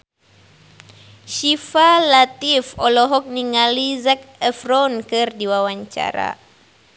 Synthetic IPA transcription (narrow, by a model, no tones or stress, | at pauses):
ʃifalat̪ifɔlɔɦɔk̚niŋalizak̚ɛfɾɔnkɨrdiwawaɲt͡ʃa̰ɾa̰